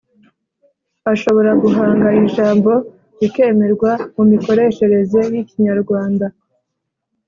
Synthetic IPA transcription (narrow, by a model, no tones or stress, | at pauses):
aʃo̞βo̞ɾaɡuɦaːŋɡaiʒaːmbo̞ | zike̞ːme̞ɾɡwamumiko̞ɾe̞ʃe̞ɾe̞ze̞jiciɲaɾɡwaːnda